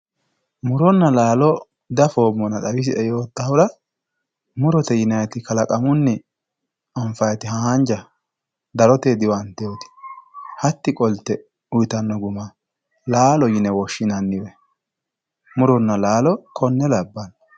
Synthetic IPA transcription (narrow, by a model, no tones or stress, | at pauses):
mʊɾɔnːɐlaːlɔ | d̪ɐfo̞ːmːɔnɐt̪ɐwɪs̬ɪʔɛjo̞ːt̪ːɐhʊɾɐ | mʊɾɔt̪ɛjɪnɐjt̪ɪkɐlɐkʼɐmʊnːɪ | ɔɱfɐjt̪ɪhaɐnd͡ʒɐ | d̪ɐɾɔt̪eːd̪ɪwɐnt̪ɛjoːt̪ɪ̥hɐt̪ːɪkʼɔlt̪ːɛ | ʊjt̪ɐnːɔɡʊma | laːlɔjɪnɛwɔʃːɪnɐnːɪwɛ | mʊɾɔnːɐlaːlɔkɔnːɛlɐbːɐn